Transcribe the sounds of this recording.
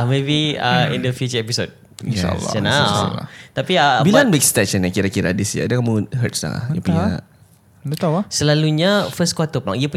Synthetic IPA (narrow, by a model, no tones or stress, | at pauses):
mebiəḭndəfjut͡ʃəɛpisod̚ | ia̰lːt͡ʃanal̰t̪apiəbilanbikst̪ɛt͡ʃənakiɾakiɾadisd͡ʒa̰ːdakamuɦə̰t̪̚sla̰la̰hjapuɲa̰ʔ | dət̪asəlaluɲafəskwat̪əpəlaŋiapu